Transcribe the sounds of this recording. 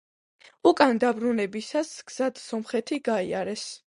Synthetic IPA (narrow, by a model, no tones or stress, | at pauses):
ukʼand̪abɾunɛbisasɡ̥z̥ad̪sɔmχɛt̪ʰiɡaia̰ɾɛs